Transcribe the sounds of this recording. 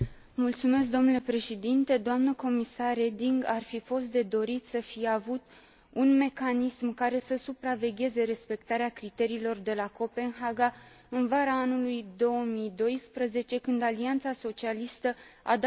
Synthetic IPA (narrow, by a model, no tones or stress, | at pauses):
mult̪sume̞s̬kd̪o̞mnule̞pɾe̞ʃed̪int̪e̞d̪oamnəko̞misarre̞d̪iŋɡarfifo̞st̪̚d̪e̞d̪o̞ɾit̪səfijeavut̪ | unme̞kanismkaɾe̞səsupɾave̞ɡʲe̞ze̞ɾe̞spe̞kt̪aɾeakɾit̪e̞ɾiːlo̞rd̪e̞lako̞pe̞nɦaɡa | ɨnvaɾaːnulujd̪o̞əmid̪o̞jspɾəze̞t͡ʃe̞kɨnd̪aliant̪saso̞t͡ʃialist̪əa̰d̪